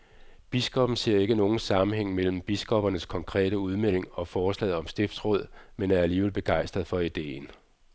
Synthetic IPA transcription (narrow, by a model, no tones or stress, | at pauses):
b̥isɡ̥ɒ̽b̥n̩se̝ɐ̰e̝ɡ̥əno̝ːn̩sɑ̈mm̩heŋ̰mel̰m̩b̥isɡ̥ɒ̽b̥ɐnəskʰɒ̽ŋkʰʁɛ̰ːɾ̥əuð̞ˠmel̰e̝ŋɒ̽fɒːslɛ̰ɪð̩ˠɒ̽msd̥e̝fd̥sʁɔ̽ð̞̰ˠmenæɐæliːʋelˠb̥e̝ɡ̥ɑ̈ɪ̰sd̥ʁɐð̩ˠfɒ̽id̥e̝̰ːn